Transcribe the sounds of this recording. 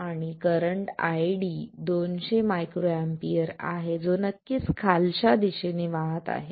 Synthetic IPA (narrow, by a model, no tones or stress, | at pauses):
aɽ̃ikəɾəɳʈa̰jɽid̪onɕemajkɾoampiəɾa̰ɦed͡zonəkːiːt͡skʰalɕad̪iɕeneʋaɦət̪a̰ɦe